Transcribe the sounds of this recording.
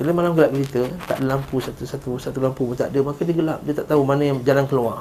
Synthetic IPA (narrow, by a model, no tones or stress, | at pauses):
kiləmalamɡəlap̚kəlit̪ət̪a̰ʔdəlampusat̪usat̪usat̪ulampumut̪a̰ʔdəmakadiəɡəlap̚diət̪aʔt̪aumanəjad͡ʒalankəlua